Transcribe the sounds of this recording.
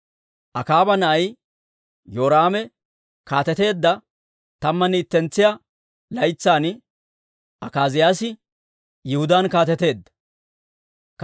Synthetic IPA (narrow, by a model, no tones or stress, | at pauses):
ʔɐkaːbɐnɐʔɐj | joːɾaːmɛ | kaːt̪ɛt̪e̞ːd̪ːɐ | t̪ɐmːɐniːt̪ːɛnt͡sːɪjɐ | lɐjt͡sːaːn | ʔɐkaːzɪjaːsɪ | jɪhʊd̪aːnkaːt̪ɛt̪e̞ːd̪ːɐ̥ | k